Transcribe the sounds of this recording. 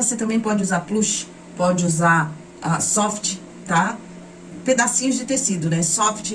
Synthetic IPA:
oset̪ɐ̃mbẽj̃pɔd͡ʒɪuzaɾpluʃ | pɔd͡ʒɪuzaɾ | asɔft͡ʃɪ̥ | t̪a | ped̪asĩɲʊzd͡ʒɪt̪esid̪ʊnɛsɔft͡ʃɪ

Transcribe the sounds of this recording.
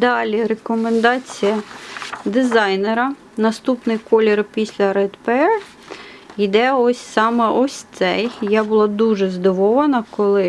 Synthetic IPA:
d̪ɑlʲiɾekɔmend̪ɑt͡sʲijɐd̪ɪzɑjneɾɐ | nɐst̪upnɪjkɔlʲɪrpʲisʲlʲɐɾɛd̪peɛr | id̪ɛɔsʲsɑmɛʔɔsʲt̪sɛjjabʊlˠɑd̪uʒɛzd̪ɪʋɔʋɐnɐkɔlˠɪ

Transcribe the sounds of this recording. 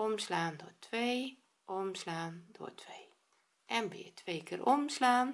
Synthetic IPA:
ɔmslaːndoːtʰʋej | ʔomslaːndo̰ətʰʋeːj | ʔɛnbɪ̰ətʰʋeːkʰɪːrʔɔmslaːn

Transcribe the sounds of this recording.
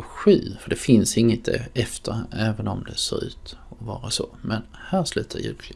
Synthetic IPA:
ɧyːfəɖɛfɪnsɪŋːət̪̚d̪ɛ̰ɛft̪ʰəɾɛːvənɔmd̪ɛsoːɾʉ̟ːt̪ | ɔvɑːɾasɔmɛn | hæːɾʂlʉ̟ːt̪ʰajʉːklɪ

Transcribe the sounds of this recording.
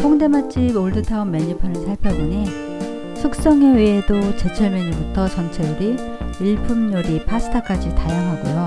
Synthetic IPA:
pʰoŋde̞mat͡ɕ͈iboɭdɯtʰaumːe̞ɲipʰanɯnsʰaɭpʰjʌbiɲi | sʰuk̚s͈ʌŋe̞wɥeːdot͡ɕe̞t͡ɕʰʌɭmeɲibutʰʌt͡ɕʌnt͡ɕʰeduɾi | iɭpʰumɲoɾipʰasʰɯ̥tʰak͈ad͡ʑitajʌŋɦaɡujo

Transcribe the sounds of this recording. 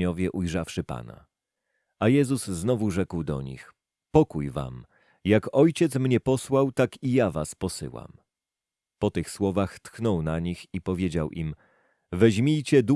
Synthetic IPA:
ɔvʲjɛʔujʐafʂɘpa̰na̰ | ajɛzuzːnɔvuʐɛkwd̪ɔ̰ɲḭx | pɔkujva̰m | jakɔjt͡ɕɛt̪smɲɛpɔswawt̪akijavaspɔsɘ̰wa̰m | pɔt̪ɘxswɔvaxt̪xnɔwnaɲixipɔvʲjed͡ʑawʔim | vɛʑmʲijt͡ɕɛd̪u

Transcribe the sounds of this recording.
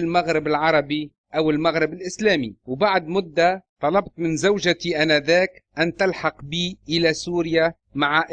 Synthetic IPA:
lmaɣɾɪbɪlʕɑɾˤɑbi | ʔawɪlmaɣɾɪbɪlʔɪslaːmiwbaʕd̪mʊd̪ːat̪ˤɑlɑbt̪ˤmɪnzawʒat̪iʔanaðaːkʔant̪alħɑqbiːʔɪlasuːɾɪja | maʕaʔ

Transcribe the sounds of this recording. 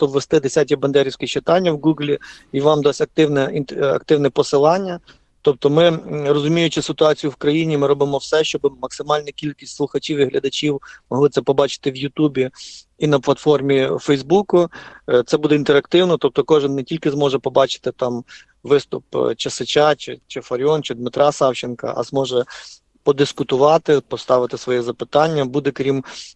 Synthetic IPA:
t̪ɔbʋest̪ɪd̪esʲatʲɐbɐnd̪ɛɾʲiwsʲkʲɪt͡ʃɪt̪ɑnʲːɐwɡuɡlʲi | iʋɑmd̪ɔsʲɐk̚t̪ɪwnɛinɐ̰kt̪ɪwnɛpɔsɪlˠɑnʲːɐ | t̪ɔp̚t̪ɔmɪrɔzʊmʲijʊt͡ʃɪsɪt̪ʊɑt͡sʲijʊwkɾɐjinʲimɪɾɔbɪmɔwsɛʃt͡ʃɔbɪmɐksɪmɑlʲnɐkʲilʲkʲi̥sʲtʲslˠʊxɐt͡ʃʲiwiɦlʲɐd̪ɐt͡ʃʲiwmɔɦlˠɪt̪sɛpɔbɑt͡ʃɪ̥t̪ɪwjʊt̪ubʲi | inɐplˠɐt̪fɔrmʲifɛjzbukʊt̪sɛbud̪ɛint̪eɾɐkt̪ɪwnɔt̪ɔp̚t̪ɔkɔʒɪnːetʲilʲkɪzmɔʒɛpɔbɑt͡ʃɪ̥t̪ɪt̪ɑm | ʋɪst̪ʊp̚t͡ʃɐsɪt͡ʃɑt͡ʃɪt͡ʃɪfɐɾʲɔnt͡ʃɪd̪mɪt̪ɾʔɑsɑwt͡ʃɪnkɐ̰ʔɐ̰zmɔʒɛ | pɔd̪ɪskʊt̪ʊʋɑt̪ɪpɔst̪ɑʋɪt̪ɪsʋɔjɛzɐpɪt̪ɑnʲːɐbud̪ɛkɾʲim

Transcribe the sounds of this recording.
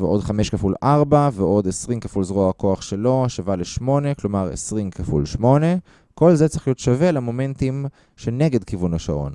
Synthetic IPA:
veʔo̞dχame̞ʃkafulʔaʁbaveʔo̞d̪esʁimkafulzʁoako̞aχʃe̞lo̞aʃavaleʃmo̞ne̞klo̞maʁḛsʁimkafṵlʃmo̞ne̞ | ko̞lzet͡siχlijot̪ʃavelamo̞me̞ntim | ʃe̞ne̞ɡe̞dkivunaʃa̰ʔo̞̰n

